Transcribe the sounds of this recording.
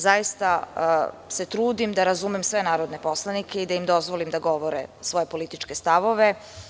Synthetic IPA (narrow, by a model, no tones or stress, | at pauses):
zajist̪a | se̞t̪ɾuːd̪imd̪aɾazumemsʋe̞naːɾod̪ne̞po̞slˠanikeid̪aimd̪o̞zʋolimd̪aɡo̞ʋo̞ɾḛsʋo̞jepo̞lit̪it͡ʃke̞st̪aʋo̞ʋe̞